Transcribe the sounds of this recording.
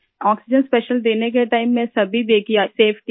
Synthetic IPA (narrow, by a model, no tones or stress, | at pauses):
ɔːksɪd͡ʒə̃nspɛːʃəld̪eːnek̬eʈaːɪmːẽsɐbʱid̪eːkʰijaseːpʰʈi